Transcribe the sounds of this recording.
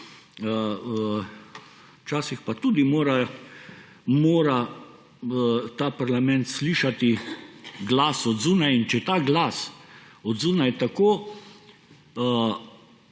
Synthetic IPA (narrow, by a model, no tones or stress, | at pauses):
ə | t͡ʃaːsixpat̪ud̪imoːɾa | moːɾa | t̪aːpaɾlamɛ̃nt̪sliːʃat̪i | ɡlaːsɔd̪zuːnajint͡ʃɛt̪aːɡlas | ɔd̪zuːnajt̪akoː